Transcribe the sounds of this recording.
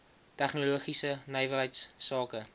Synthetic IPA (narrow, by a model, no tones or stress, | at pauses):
tæχnuluəχisənəjvərɦəjtsːɑːkə